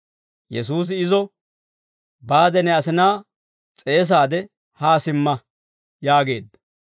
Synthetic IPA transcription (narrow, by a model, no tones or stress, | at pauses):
jɛ̰suːs̬ɪɪzɔ | baːd̪ɛnɛɐsɪnaː | t͡sʼe̞ːs̬aːd̪ɛ | haːsɪmːɐ | jaːɡe̞ːd̪ːɐ̥